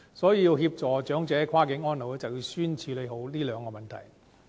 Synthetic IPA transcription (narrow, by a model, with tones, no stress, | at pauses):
sɔː˨˥jiː˨˧ji˧wɦiː˧p̚t͡sɔː˨t͡ʃœː˨˥ŋt͡sɛː˨˥kʰwaː˥kɪ˨˥ŋɔː˥nlo˨˧wlɛ˥t͡sɐ˨˩wji˧wsyː˥nt͡sʰiː˨˧le˨˧jɦo˨˥wliː˥lœː˨˧ŋkɔː˧mɐ˨nt̪ʰɐ˨˩j